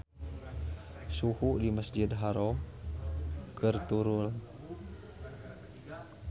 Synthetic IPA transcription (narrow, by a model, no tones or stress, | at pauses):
suhuʔdiməsd͡ʒɪd̪ɦaɾɔ | kʰərt̪uɾʊl